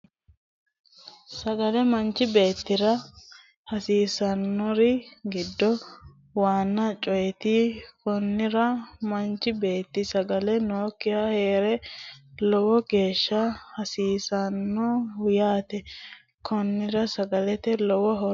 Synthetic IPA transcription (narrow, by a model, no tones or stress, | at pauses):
sɐɡɐlɛmɐnt͡ʃːɪbe̞ːt̪ːɪɾɐ | hɐsiːsɐnːɔɾɪɡɪd̪ːɔ | waːnːɐt͡ʃʼɔjɛt̪ɪkɔnːɪɾɐmɐnt͡ʃɪbe̞ːt̪ːɪsɐɡɐlɛnoːkːɪjahe̞ːɾɛlɔwɔɡe̞ːʃːɐhɐsiːsɐnːɔhʊjaːt̪ɛ | kʰɔnːɪɾɐsɐɡɐlɛt̪ɛlɔwɔɦɔ